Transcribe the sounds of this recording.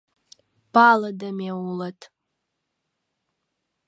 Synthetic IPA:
b̥aladamawulatʼʰ

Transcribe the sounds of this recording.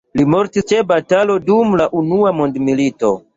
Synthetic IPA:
limo̞ɾtist͡ʃe̞batalo̞dumlaʔunuamo̞ndmilito̞̰

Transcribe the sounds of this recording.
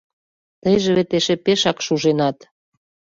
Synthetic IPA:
t̪əjʒĕβet̪eʃepeʃɑkʃuʒenɑt̪

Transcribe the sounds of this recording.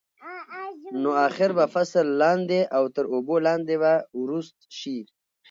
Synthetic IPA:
noɑxɪɾbafaslːɑnd̪eʔawt̪əɾobolɑnd̪eβawɾust̪̚ʃi

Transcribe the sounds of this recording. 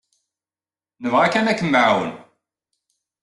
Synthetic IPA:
nəvʁakːænækːəmːʕwə̰n

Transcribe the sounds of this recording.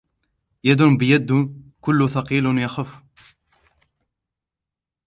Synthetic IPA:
jæd̪ʊnbjæd̪ːkʊlːʊθɑqilʊnjɑxəf

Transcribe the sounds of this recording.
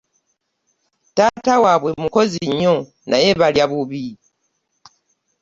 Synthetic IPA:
taːtawaβwe̞muko̞ziɲːo | nʔaje̞βaljaβuβi

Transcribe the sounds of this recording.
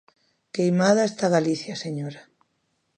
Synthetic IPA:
kejmaðaest̪aɣaliθjaseɲoɾa

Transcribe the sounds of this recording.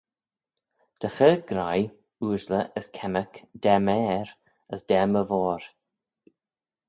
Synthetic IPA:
d̪̥əxəːɡɾaj | uːʒləʔəskʰɛməkd̥ɛmɛːɾ | əsd̥ɛməvɔːɾ

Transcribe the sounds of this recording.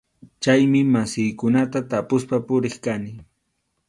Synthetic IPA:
t͡ʃajmɪmasɪjkʊnat̪at̪apʊspapʊɾɪχkanɪ

